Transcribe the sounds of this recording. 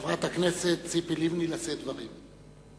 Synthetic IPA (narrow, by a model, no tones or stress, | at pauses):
vʁat̪hakneset̪t͡sipilimnilased̪vaʁim